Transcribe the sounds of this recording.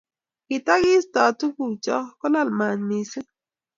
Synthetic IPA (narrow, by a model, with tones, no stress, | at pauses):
kɪ˨ta˦ɣɪ˦sta˨tu˦ku˨t͡ʃɔ˦kɔ˦la˦˨lma˨nmi˨se˦